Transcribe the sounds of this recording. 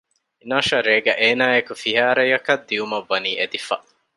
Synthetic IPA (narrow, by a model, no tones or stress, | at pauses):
inaːʃɐɾeːɡɐʔeːnaːekufiɦæːɾɐjɐkɐd̪ːiumɐʋːɐniːʔed̪ifɐ